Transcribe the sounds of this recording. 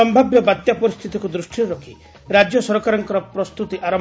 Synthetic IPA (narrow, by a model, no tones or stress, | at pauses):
ɔmbʱabjɔbad̪japɔɾist̪ʰit̪ikud̪ɾusʈʰiɾɾɔkʰi | ɾad͡ʒjɔsɔɾɔkaɾɔŋkɔɾɔpɾɔst̪ut̪iʔaɾɔ